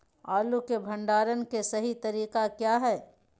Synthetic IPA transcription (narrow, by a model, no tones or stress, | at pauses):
aːlukebʱɐ̃ɳɖaːɾənkesɐɦit̪ɐɾiːqakjaːɦɛː